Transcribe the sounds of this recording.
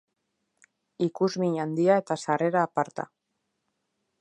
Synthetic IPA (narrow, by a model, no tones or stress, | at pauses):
ikuzmiɲand̪iae̞t̪asare̞ɾaːpaɾt̪a̰